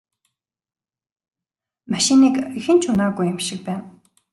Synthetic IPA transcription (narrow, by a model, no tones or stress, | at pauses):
maʃɪ̆niːkixɘ̆nt͡ɕʰʊnaːɣujɪ̆mʃɪ̆k̚pæːn